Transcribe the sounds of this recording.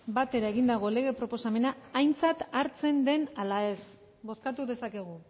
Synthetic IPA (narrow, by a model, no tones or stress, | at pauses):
bat̪e̞ɾae̞ɣind̪aɣ̞o̞le̞ɣ̞e̞pɾo̞po̞same̞naːjnt͡sat̪aɾt͡se̞nd̪e̞nalae̞s | bo̞skat̪uðe̞sake̞ɣ̞u